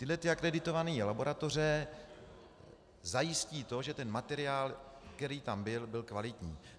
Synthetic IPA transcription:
t̪ɪdlɛt̪ɪakɾɛdɪt̪o̞vaniːlabo̞ɾʔat̪o̞rɛ | zajɪsciːt̪o̞ʒɛt̪ɛnmat̪ɛɾɪjaːlk̪ɛɾiːt̪ambɪlbɪlkvalɪt̪ɲiː

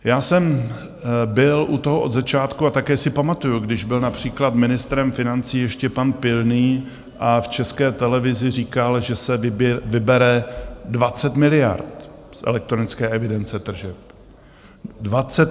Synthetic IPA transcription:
jaːsɛm | bɪlʔut̪oɦoʔo̞d̪zat͡ʃaːt̪kuat̪akɛːsɪpamat̪ujuɡdɪʒbɪlnapr̝̥iːklat̪mɪnɪst̪ɾɛmfɪnant͡siːjɛʃcɛpanpɪlniː | ʔaft͡ʃɛskɛːt̪ɛlɛvɪzɪriːkalʒɛsɛvɪbvɪbɛɾɛdvat͡sɛt̪mɪlɪja̰ɾt̪sʔɛ̰lɛk̚t̪ɾonɪt͡skɛːʔɛvɪdɛnt͡sɛt̪r̩ʒɛp̚ | dvat͡sɛt̪

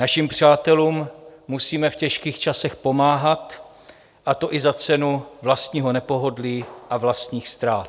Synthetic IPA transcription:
naʃimpr̝̥aːt̪ɛluːmːusiːmɛfcɛʃkiːxt͡ʃasɛxpo̞maːɦat̪ | ʔat̪o̞ʔɪzat͡sɛnuvlast̪ɲiːɦo̞nɛpo̞ɦo̞dliːʔavlast̪ɲiːxst̪ɾaːt̪

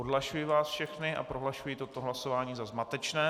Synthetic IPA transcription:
odlaʃujiːvaːsfʃɛxnɪʔa̰pɾoɦlaʃujiːt̪o̞t̪o̞ɦlaso̞vaːɲiːzazmat̪ɛt͡ʃnɛː

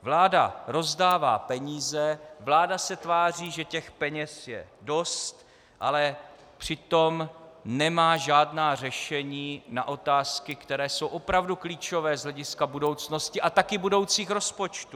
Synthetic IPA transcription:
vlaːda̰ɾo̞zdaːva̰ːpɛɲiːzɛvlaːdasɛt̪vaːriːʒɛcɛxpɛɲɛsjɛ̰do̞st̪ | ʔalɛ | pr̝̥ɪt̪o̞mnɛmaːʒaːdnaːr̝ɛʃɛɲiːna̰ʔo̞t̪aːskɪkt̪ɛɾɛːso̞wʔo̞pɾavdukliːt͡ʃo̞vɛːzɦlɛɟɪskabudo̞wt͡sno̞scɪʔat̪akɪbudo̞wt͡siːxɾo̞spo̞t͡ʃt̪u

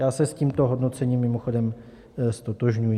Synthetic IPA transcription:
jaːsɛsciːmt̪oɦo̞dno̞t͡sɛɲiːmːɪmo̞xo̞dɛm | st̪o̞t̪oʒɲujɪ

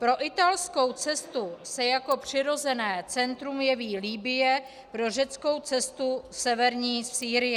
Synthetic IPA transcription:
pɾo̞ʔɪt̪alsko̞wt͡sɛst̪usɛjako̞pr̝̥ɪɾo̞zɛnɛːt͡sɛnt̪ɾumjɛviːliːbɪjɛ | pɾo̞ʒɛt͡sko̞wt͡sɛst̪usɛvɛɾɲiːsiːɾɪjɛ

